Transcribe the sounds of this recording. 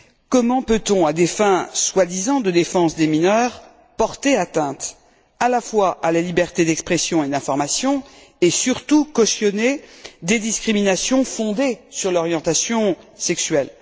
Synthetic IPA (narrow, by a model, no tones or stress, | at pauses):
kɔmɑ̃pøt̪ɔ̃ad̪efɛ̃swad̪izɑ̃d̪əd̪efɑ̃sd̪eminœʁ | pɔʁt̪eat̪ɛ̃t̪ | alafwaʔalalibɛʁt̪ed̪ɛkspχesjɔ̃ed̪ɛ̃fɔʁmasjɔ̃esyʁt̪ukɔsjɔned̪ed̪iskχiminasjɔ̃fɔ̃d̪esyʁlɔʁjɑ̃t̪asjɔ̃sɛksɥɛl